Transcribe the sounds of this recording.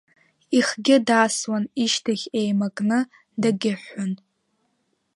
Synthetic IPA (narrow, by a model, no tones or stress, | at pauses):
iχɡʲɪdaːswaniʃtʰaχʲejmakʼnɨ | daɡʲɪħʷːʊn